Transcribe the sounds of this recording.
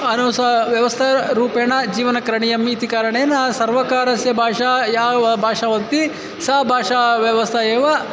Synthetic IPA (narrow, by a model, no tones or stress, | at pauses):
ɐnusɐʋjɐʋɐst̪ʰɐɾuːpeːɳɐd͡ʒiːʋɐnɐkɐɾɐɳijɐmiːt̪ikaːɾɐɳeːnasɐɾʋɐkaːɾɐsjɐbʱaːʂaːjaːbʱaːʂaːʋɐt̪i | saːbʱaːʂaːʋjɐʋɐst̪ʰɐjeːʋɐ